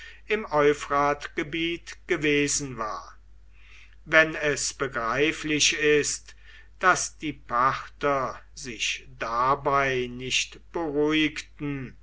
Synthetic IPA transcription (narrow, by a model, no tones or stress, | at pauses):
ɪmɔʏfʁaːtɡ̥əbiːtɡ̥əveːzn̩vaːɐ | vɛnɛsb̥əɡʁaɪflɪʃɪst | d̥asd̥iːpaχtɐzɪʃd̥abaɪnɪʃtb̥əʁuɪktn̩